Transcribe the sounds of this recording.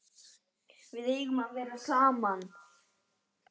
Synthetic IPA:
vɪðejɣmanvɛːɾasaːman

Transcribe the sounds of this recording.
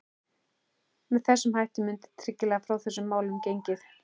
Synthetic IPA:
mɛðθɛsːʏmhajht̪ɪmʏnt̪ʰːɾɪcːɪlɛːɣafɾawθɛsːʏmːaːwlʏmcejɲcɪθ

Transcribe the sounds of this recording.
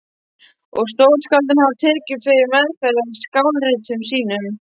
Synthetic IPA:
ɔɣst̪oːwɾskalt̪ɪnhavt̪ʰɛːɾcɪðθʰvejʏvɛðfɛɾɪnskawlrɪt̪ʏmsiːnʏm

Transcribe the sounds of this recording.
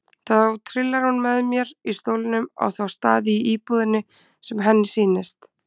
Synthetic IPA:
θaðowt̪ʰɾɪlːaɾ̥hunmɛðmjɛɾist̪oːwlɪnʏma̰wθawst̪aːðɪiʔiːpuðɪnːɪ | sɛmɦɛnːɪsiːnɪst̪

